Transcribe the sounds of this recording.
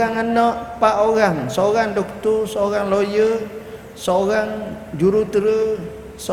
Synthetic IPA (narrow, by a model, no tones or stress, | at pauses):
aŋənəʔpaʔoɣaŋsoɣaŋdɔkt̪ʊrsoɣaŋlojə | soɣaŋd͡ʒuɾut̪əɾə | s